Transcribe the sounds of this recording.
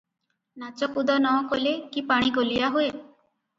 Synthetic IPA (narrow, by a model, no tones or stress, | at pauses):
nat͡ʃɔkud̪ɔnɔkolekipaɽ̃iɡolijaɦue